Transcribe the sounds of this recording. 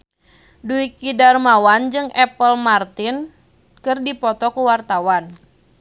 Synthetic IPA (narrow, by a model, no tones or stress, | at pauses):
duikidarmawand͡ʒɨŋɛpəlmart̪in | kɨrdipɔt̪ɔkuwart̪awan